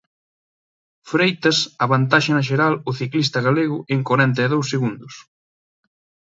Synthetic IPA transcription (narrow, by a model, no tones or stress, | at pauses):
fɾejt̪ɐsɐβant̪aʃɪnɐʃ̬eɾalʊθiklist̪ɐɣaleɣʊeŋkwaɾɛnt̪̬ɐːðowseɣund̪ʊs